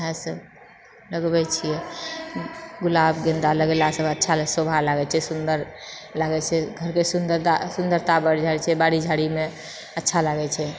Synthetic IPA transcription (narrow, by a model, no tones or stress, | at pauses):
ɦɛ̃səb | ləɡbɛt͡ʃʰijɛ | ɡulabɡə̃nd̪aləɡelasəbətːʃʰalsobʱalaɡɛt͡ʃʰɛsund̪əɾlaɡɛt͡ʃʰɛɡʱəɾkesund̪əɾasund̪əɾt̪abəɾd͡ʒaɛt͡ʃʰɛbaɽid͡ʒʱaɽime | ətːʃʰalaɡɛt͡ʃʰɛ